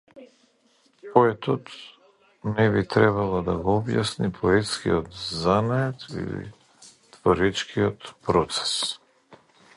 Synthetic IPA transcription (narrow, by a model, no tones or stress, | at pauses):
pɔɛt̪ɔt̪ | nɛβit̪ɾɛβalˠɔd̪aɡɔɔbja̰snipʰɔɛt̪skḭɔt̪zanaɛt̪ḭlḭ | t̪vɔɾɛt͡ʃkʰiɔt̪pɾɔt̪sɛ̥s